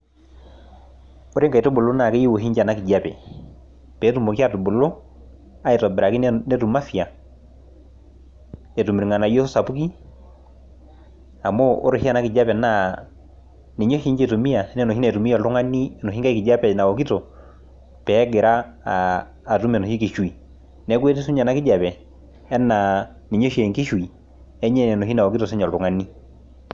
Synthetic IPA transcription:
o˦ɾe˦ŋɡa˨i˨to˦bo˨lo˦na˨ke˦ji˦wo˨ɦi˦ɲd͡ʒa˨na˦ki˨d͡ʒa˦pɛ̰˨ | pɛ˨˦tu˦˨mo˨ki˦a˦to˨bo˨lo˦ | a˦e˨tɔ˨beɾa˨ki˦nne˦tu˨ma˦fi˨a˨ | e˨tu˨miɾi˨ŋa˨na˨jo˦so˦sa˨pu˦ki˦ | a˨mo˦ʔo˦ɾo˨hi˦a˦˨na˦ki˨d͡ʒa˦pɛ˨na˦ | ne˨ɲo˦ʃi˦ɲd͡ʒe˦˨tu˨mi˦a˨ɛ˦nɛ˦nɔ˨hi˦na˨tu˨mi˦ɔ˨ltu˦ŋa˦ni˦nɔ˨ɦi˦ŋɡa˦i˦ki˨d͡ʒa˦pɛ˨na˨wɔ˨ki˦tɔ˨ | pɛː˨˦ɡe˨ɾa˦˨ | tu˦mɛ˨nɔ˨ʃi˦ki˨ʃwi˨ | nɛ˨˦k̬we˦t̬e˦su˦ɲa˨na˨ki˦d͡ʒa˨pɛ˨ | ɛ˦na˨ | ne˨ɲo˦ʃe˨ŋki˦ʃwi˨ | ɛ˦ɲɛ˦nɛ˨nɔ˨ɦi˦na˨wɔ˨ki˦tɔ˨se˦ɲa˨lu˨ŋa˦ni˦

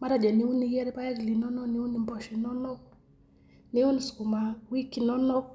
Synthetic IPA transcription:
ma˦ɾa˨d͡ʒa˨ni˨u˦ni˦jɛ˦ɾɛ˦pa˦ɛ˦ɡli˨nɔ˦nɔ˦niu˦ni˨mbɔʃi˨nɔ˦nɔ˦k | niu˦nisku˨ma˨wi˦kinɔ˦nɔ˦k̚

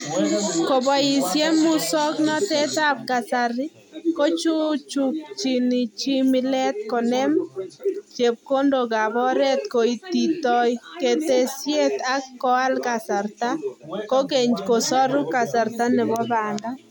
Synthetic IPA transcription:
ko˨ba˨i˨sje˦mu˦sɔ˦knɔ˦tɛ˦ta˦p̚ka˨saɾɪ˦ | ko˦t͡ʃu˦t͡ʃu˨k̚t͡ʃi˨nɪ˨t͡ʃi˦mɪ˦lɛ˦t̪̚kɔ˨nɛ˦m | t͡ʃe˨p̚ko˦ndo˨ɡa˨bɔ˦ɾɛ˦t̪̚ko˨i˨t̪i˨tɔ˦jke˨te˨sje˦t̪a˦kːɔ˦a˦lka˨sa˨ɾt̪a˦ko˦ke˨ɲko˨sɔ˦ɾʊ˦ka˨sa˨ɾt̪a˦nɛ˨bɔ˦ða˨nda˦

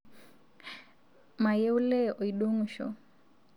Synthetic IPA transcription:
ma˨jɛ˦u˦lɛ˦ɔ˨i˨ɗo˦ŋu˨ʃɔ̰˨

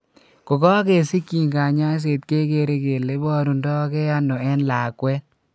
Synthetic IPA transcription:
ko˨kɔ˦ke˨si˦kːi˨ŋɡa˨ɲa˦s̬e˨t̚ke˦ke˧ɾe˦ke˨le˦bɔ˦ɾu˨ndɔ˦ke˦a˦no˨ɛ˦nlaː˨kwɛ˦

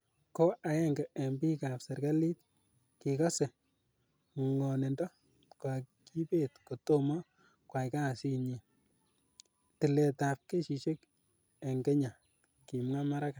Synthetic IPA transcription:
ko˦ʔa˨ɛ˦ŋɡɛ˨e˨mbi˦ka˨pse˨ɾɡa˦li˦t̚ | ki˨ka˦se˨ | ŋɔ˨ne˨ndɔ˦ | kwa˨ki˦pe˦tko˨to˦mɔ˦ | kwa˨jka˦˨si˦ɲi˨ | tɪ˨le˨ta˨p̚ke˦ʃi˨ʃe˦k | e˨ŋɡe˦ɲa˨ | ki˨mŋa˦ma˦ɾa˦ka˨

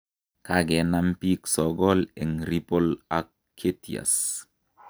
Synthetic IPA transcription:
ka˦ɡɛ˨na˦mpi˦ksɔ˨ɡɔ˦le˨ŋɾi˦po˦la˨kʰːe˦tḭ˨a̰˨s

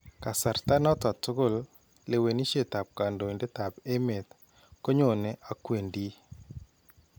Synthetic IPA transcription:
ka˨sa˨ɾt̪a˦nɔ˦ta˨tʊ˦ɡʊ˦˨l | le˨we˨ni˦ʃe˦˨t̪a˨p̚ka˨ndo˨nde˦t̪a˨pe˦me˨t̪ | ko˦ɲo˨ne˨ʔa˨kwe˨ndi˦

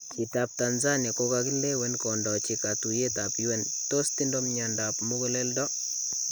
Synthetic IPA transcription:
kitap̚tanza˦nia˨ko˦ka˧ki˦le˦wɛ˦nkɔ˨ndɔ˨t͡ʃikatu˨je˦tapiwɛ˦nto˦sti˦ndo˦mɲandapmu˦ko˦le˦ldɔ˦

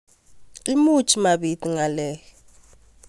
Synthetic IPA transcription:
li˦mu˦t͡ʃʰʼi˨ma˨ɓi˨tʼi˨ŋa˨lɛː˦jɔ

